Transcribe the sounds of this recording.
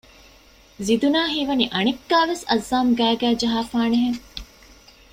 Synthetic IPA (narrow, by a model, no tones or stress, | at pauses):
zid̪unaːɦiːʋɐniʔɐnekːaːʋesɐzːaːmɡæːɡæːd͡ʒɐɦaːfaːneɦeŋ